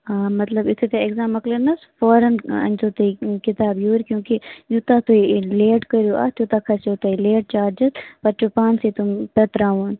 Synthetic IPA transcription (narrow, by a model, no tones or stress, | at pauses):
aːmɐt̪lɐbɪt̪ʰet̪eɪɡzaːmɐklɐnɐsfoːɾənɐ̰nzoːt̪eikɪt̪aːbjoːɾkjũːkejuːt̪at̪oileːʈkɐɾjoʔa̰t͡ʃut̪akʰɐsoːt̪ɐileːʈ̚t͡ʃaːɾd͡ʒəzpɐɾt͡ʃupaːnset̪ʊmpɐt̪ɾaːoːn